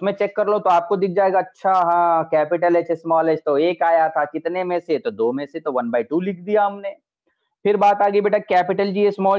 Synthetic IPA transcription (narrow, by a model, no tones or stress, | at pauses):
ʊsmẽt͡ʃeːkːɐɾlot̪oaːp̚kod̪ɪk̚ʰd͡ʒaːeːɡaɐtːʃʰaɦãkɛːpɪʈəlet͡ʃesmɔːled͡ʒt̪oeːkaːjat̪ʰakɪt̪nemẽset̪od̪oːmẽset̪oʋɐnbaːiʈuːliːkʰd̪ijaɦɐmne | pʰɪɾbaːt̪aːɡəibeːʈakɛːpɪʈəld͡ʒiesmɔː